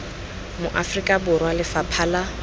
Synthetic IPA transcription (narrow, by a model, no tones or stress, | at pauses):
mʊʔafrikʼabʊrwalɪfapʰaːla